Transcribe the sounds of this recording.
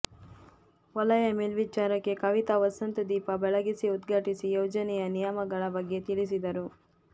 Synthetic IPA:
ʋɔlɐjɐmelʋit͡ʃaːɾɐkːe̞kɐʋit̪ɐʋɐsɐnt̪ud̪iːpɐbɛɭɐɡisiud̪ɡʱɐʈisijoːd͡ʒɐnɛjɐnijɐmɐɡɐɭɐbɐɡːe̞t̪iɭisid̪ɐɾu

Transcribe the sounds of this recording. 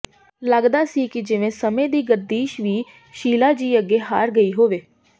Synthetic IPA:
ləɡd̪aːsiːkɪd͡ʒɪʋẽːsəmẽːd̪iːɡəɾd̪iːʃʋiː | ʃiːlaːd͡ʒiːəɡːeːɦa̰ːɾɡəiːɦoːʋeː

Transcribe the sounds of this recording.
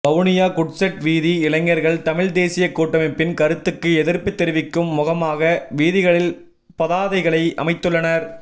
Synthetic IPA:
bɐʋnɪjaːkʊʈsɛʈʋiːðiɪɭɐŋːɐɾɣɐɭt̪ɐmɪɻd̪eːsɪjɐkːoːʈːɐmɪpɪnkɐɾɯt̪ːɯkːɯɛðɪɾpɯt̪ːɛɾɪʋɪkːɯmːʊɣɐmaːɣɐʋiːðɪɣɐɭɪl | pɐðaːðɐɪɣɐɭɐɪʔɐ̰mɐɪt̪ːɯɭːɐnɐɾ

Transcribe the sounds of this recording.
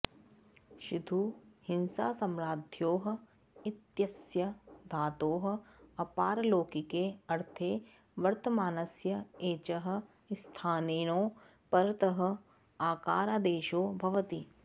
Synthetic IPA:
ʃʊd̪ʱuhɪnsaːsɐmɾaːd̪ʱjoːɦ̆ | ɪt̪jɐsjɐd̪ʱaːt̪oːɦ̆ɐpaːɾloːkikeɐɾt̪ʰeː | ʋɐɾt̪əmaːnɐsjɐeːt͡ʃɐɦɐ̆ | st̪ʰaːneːnõː | pɐɾt̪əɦɐ̆ | aːkaːɾaːd̪eːʃoːbʱɐʋət̪iː

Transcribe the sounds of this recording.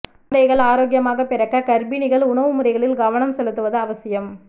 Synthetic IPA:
d̪ɐɣɐɭaːɾoːɡjɐmaːɣɐpːɪɾɐkːɐkɐɾbinɪɣɐɭʊɳɐʋɯmʊɾɐɪɣɐɭɪlɡɐʋɐnɐmsɛlɯt̪ːɯʋɐðɯɐʋɐsɪjɐm

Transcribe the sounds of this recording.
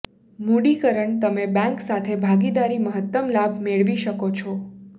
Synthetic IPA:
muɽikəɾəɳt̪əmebɛ̃ŋksat̪ʰebʱaɡid̪aɾiməɦət̪ːəmlabʱmeɭʋiʃəkot͡ʃʰɔ

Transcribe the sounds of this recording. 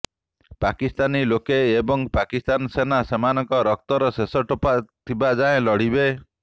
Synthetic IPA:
pakist̪anilokeːbɔŋpakist̪ansenasemanɔŋkɔɾɔk̚t̪ɔɾɔsesɔʈɔpat̪ʰibad͡ʒaẽlɔɽ̤ibe

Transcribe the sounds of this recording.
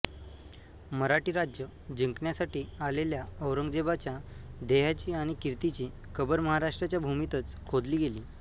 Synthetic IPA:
məɾaʈiːɾad͡ʑjə | d͡ʑiŋkɳjasaʈiːaleljaəwɾəŋɡd͡ʑebat͡ɕjad̪eɦat͡ɕiːaɽ̃ikiɾt̪it͡ɕiː | kʰəbəɾməɦaɾaʂʈɾat͡ɕjabʱumit̪ət͡skʰod̪liːɡeliː

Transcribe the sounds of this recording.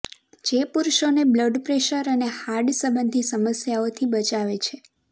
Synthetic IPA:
d͡ʒepuɾʃonebləɖpɾeʃəɾənehaɾɖsəbənd̪ʱisəməsjaot̪ʰibət͡ʃaʋet͡ʃʰe

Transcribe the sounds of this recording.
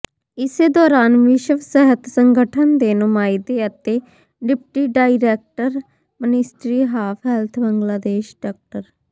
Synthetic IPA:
ɪseːd̪ɔːɾaːnʋɪʃəʋsɛɦət̪səŋɡəʈʰənd̪eːnʊmaːid̪eːət̪eː | ɖɪpʈiːɖaːiɾɛːk̚ʈəɾ | mənɪsʈɾiːɦaːpʰɦɛlt̪ʰbəŋɡlaːd̪eːʃɖaːk̚ʈəɾ

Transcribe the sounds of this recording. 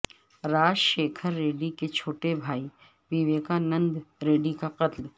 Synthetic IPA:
ɾaːd͡ʒʃeːkʰəɾːeːɖiket͡ʃʰoːʈebʱaːi | ʋɪʋeːkanə̃nd̪ɾeːɖikaqɐt̪l

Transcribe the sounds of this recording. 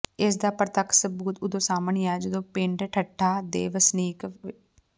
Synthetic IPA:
ɪs̬d̪aːpɾət̪əksəbuːt̪ʊd̪õːsaːməɳjɛːd͡ʒd̪õːpeɳʈʈʰəʈʰːaːd̪ḛːʋəsniːk

